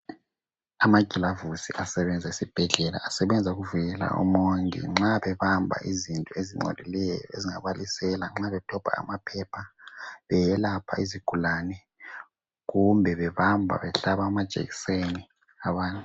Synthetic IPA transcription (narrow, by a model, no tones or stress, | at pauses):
amaɡ̥ʱilavusiasɛβɛnd͡zʱaisib̥ʱɛɮɛla̰asɛβɛnd͡zʱauɣuvujɛla̰ʔṵmoŋḭŋ͡ǁaβɛβambʱa̰ʔizintʼɔeziŋ͡ǃɔ̰lilɛjjɔ̰eziŋaβalisɛlaŋ͡ǁaβɛtʰɔpʰa̰ːmapʰɛpʰaβɛjɛlapʰa̰iziɡ̥ʱulaːnɛ | ɣumbʱɛβɛβambʱa̰βɛɬaβaːmad̥ʒ̥ʱʼḛɣiseni | aβaːntʼu